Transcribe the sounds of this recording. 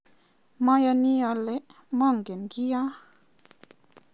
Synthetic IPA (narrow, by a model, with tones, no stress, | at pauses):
mã˦ja˧ni˦a˧le˦ʔ | mɔ˦˨ŋɡe˨nɡi˦ja˦